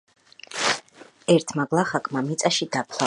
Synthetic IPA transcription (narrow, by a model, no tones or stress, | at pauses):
ɛɾt̪ʰmaɡlˠaχakʼmamit̪sʼaʃid̪apʰla